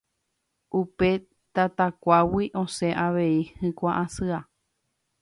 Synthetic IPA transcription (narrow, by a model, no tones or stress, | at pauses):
ʔupe̞ | t̪at̪akʷawiʔõseʔaʋe̞ihɨ̃kʷaʔãsɨa